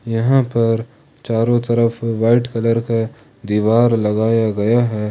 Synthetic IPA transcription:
jɐɦãpɐɾ | t͡ʃaːɾõt̪ɐɾəfʋaːɪʈkɐləɾka | d̪iːʋaːɾlɐɡaːjaɡɐjaɦɛː

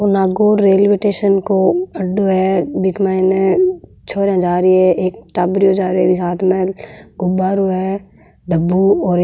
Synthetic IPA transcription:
onaːɡoːɾɾeːlbeʈeːʃənkoɐɖoɦɛbɪkmaɪne | t͡ʃʰoːɾɛ̃d͡ʒaːɾiɦɛeːk̚ʈaːbɾiod͡ʒaːɾɛbɪkaːt̪mɛlɡʊbaːɾuɦɛ | ɖəbːuɔːɾ

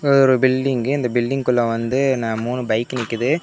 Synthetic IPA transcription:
ɔðɔɾɯbɪlɖɪŋɡɯɪnd̪ɐbɪlɖɪŋɡkʊɭːɐ̃ʋɐnd̪ɯnãːmuːnɯbɐɪkːɯnɪkːɯðɯ

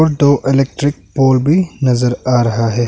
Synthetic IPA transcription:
ɾɖoːʔɪleːk̚ʈɾɪk̚poːlbʱinɐzəɾaːɾɐɦaɦɛː

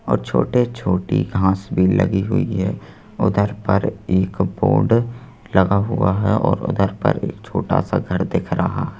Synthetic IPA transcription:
ɔːɾt͡ʃʰoːʈet͡ʃʰoːʈḭɡʱãːsbʱiləɡiɦʊiɦɛ | ʊd̪ʱəɾpəɾeːkboːɖ | ləɡaɦʊaɦɛɔːɾʊ̰d̪ʱəɾpə̰ɾeːkt͡ʃʰoːʈa̰saɡʱəɾd̪eːkʰɾəɦaɦ

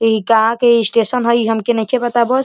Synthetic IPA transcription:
ikaɦãkeisʈesənɦoiɦəmkenəkʰebət̪abɔs

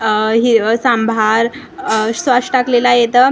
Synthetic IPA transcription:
ɦisambʱaɾ | sʋaʂʈaklelajet̪ə

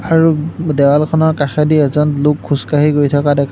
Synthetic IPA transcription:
aɹudɛwalkʰɔnɔɹkaxɛdiɛzɔnlʊkʰːuskaɦiɡojtʰakadɛkʰ

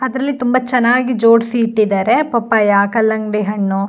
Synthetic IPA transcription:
ɐd̪ɾɐlːit̪umbɐt͡ʃɐnːaːɡid͡ʒoːɖsiːʈːid̪aːɾepɐpːajaːkɐlːɐŋɡɖeɦɐɳːu

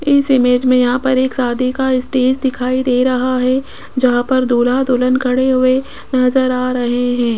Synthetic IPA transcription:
ɪsɪmeːd͡ʒmẽjɐɦãpɐɾeːksaːd̪ʱikaɪsʈeːd͡ʒd̪ɪkʰaːid̪eːɾɐɦaɦɛ | d͡ʒɐɦãpɐɾd̪oːlad̪oːlənkʰɐɽeɦʊe | nɐzəɾaːɾɐɦeɦɛ̃ː

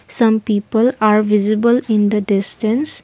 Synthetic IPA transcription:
sʌ̃mpipəlaɾvizibəlĩnd̪ədistə̃ns

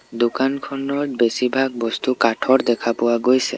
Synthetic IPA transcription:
d̪ukankʰɔnɔɹbesibʱaɡ̚bɔst̪ukaʈʰɔɹd̪ɛkʰapʊwaɡojsɛ̰

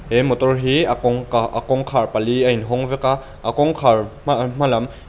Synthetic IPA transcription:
hemɔt̪ɔrɦiaʔkɔŋkʰarpɐliɐinɦɔŋvɛka | ʔakɔŋkʰarm̥ɐlɐm

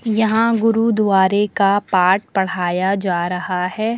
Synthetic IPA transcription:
jɐɦãɡʊɾud̪waːɾekapaːʈ̚pɐɽ̤aːjad͡ʒaːɾɐɦahɛː

